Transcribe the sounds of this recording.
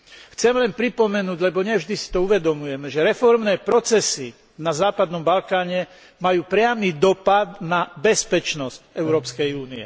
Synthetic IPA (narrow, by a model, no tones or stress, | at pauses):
xt͡sɛmlɛnpɾipɔmɛnuːɟlɛbɔɲɛvʒd̪isi̥t̪ɔuʋɛd̪ɔmujɛmɛʒɛɾɛfɔɾmnɛːpɾɔt͡sɛsi | nazaːpad̪nɔmbalkaːɲɛ | majuːpɾɪamiːd̪ɔpad̪̚nabɛspɛt͡ʃnɔscɛʊɾɔːpskɛjuːniɛ̰